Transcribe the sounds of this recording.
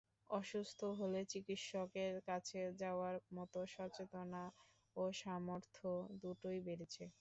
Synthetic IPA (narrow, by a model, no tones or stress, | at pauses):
ɔʃust̪ʰoɦolet͡ɕikit̪ʃɔkeɾkat͡ɕʰed͡ʑaoaɾmɔt̪oʃɔɾt͡ɕet̪ona | oʃamoɾt̪ʰod̪uʈojbeɾet͡ɕʰe